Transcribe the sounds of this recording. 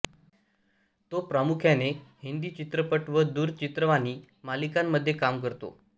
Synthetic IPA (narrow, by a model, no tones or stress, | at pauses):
t̪opɾamukʰjanehind̪iːt͡ɕit̪ɾəpəʈʋəd̪uːɾt͡ɕit̪ɾəʋaniː | malikamːəd̪ʱːjekamkəɾt̪o̰